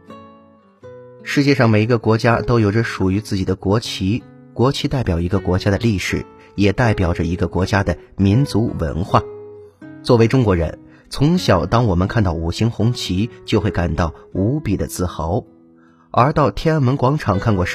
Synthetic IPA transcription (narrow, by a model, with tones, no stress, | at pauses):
ʂɻ̩˥˧t͡ɕjɛ˥˧ʂɑ˥˩ŋme˨˩ɪ˧˥ɡə˧kwɔ˧˥t͡ɕja˥t̪o˥ʊjo˨˩ʊʈ͡ʂə˧ʂu˨˩y˧˥t͡sɹ̩˥˩t͡ɕi˨˩d̪ə˦˥˧kwɔ˧˥t͡ɕʰi˧˥t̪a˥˩ɪpjɑ˨˩ʊi˧˥ɡə˧kwɔ˧˥t͡ɕja˥d̪ə˨li˥˩ʂɻ̩˨˩˦ | jɛ˨˩t̪a˥˩ɪpjɑ˨˩ʊʈ͡ʂə˦i˧˥ɡə˧kwɔ˧˥t͡ɕja˥d̪ə˨ | mi˧˥nt͡su˧˥wə̰˧˥nxwa̰˥˩ | t͡swɔ˥˩we˧˥ɪʈ͡ʂʊ˥ŋkwɔ˧˥ɻə̰˧˥n | t͡sʰʊ˧˥ŋɕjɑ˨˩ʊt̪ɑ˥ŋwɔ˨˩mə˦nkʰa˥˧nt̪ɑ˥˩ʊu˨˩ɕi˧˥ŋxʊ˧˥ŋt͡ɕʰi˧˥t͡ɕjo˥˧xwe˥˩ɪka˨˩nt̪ɑ˥˩ʊu˧˥pi˨˩d̪ə̰˦t͡sɹ̩˥˩xɑ˧˥ʊ | ə˞˧˥t̪ɑ˥˩ʊt̪ʰjɛ˥n˥nmə˧˥nkwɑ˧˥ŋʈ͡ʂʰɑ˨˩ŋkʰa˥˧nkwɔ˥˩˥